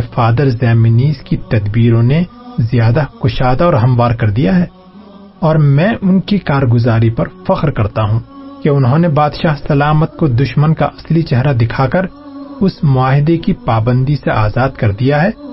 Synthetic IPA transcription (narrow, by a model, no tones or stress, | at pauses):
faːd̪əɾzɛːmɪniːzkit̪ɐd̪biːɾõnezjaːd̪akʊʃaːd̪aɔːɾɦɐmʋaːɾkɐɾd̪ijaɦɛː | ɔːɾmɛ̃ːʔʊnkikaːɾɡʊzaːɾipɐɾfɐqɾkɐɾt̪aɦũkeʊnɦõnebaːd̪ʃaːɦsɐlaːmət̪̚kod̪ʊʃmənka̰ʔɐslit͡ʃɐɦɾad̪ɪkʰakɐɾ | ʊsmʊaːɦɪd̪ekipaːbə̃nd̪iseʔaːzaːd̪kɐɾd̪ijaɦɛː